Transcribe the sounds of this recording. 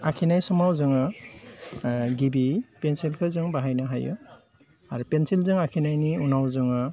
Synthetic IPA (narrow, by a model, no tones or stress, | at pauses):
akʰinajsɔmawzɯŋɯ | ɡibipensilkʰɯzɯŋbaɦajnaɦajɯ̰ | aɾupensilzɯŋakʰinajniunawzɯŋɯ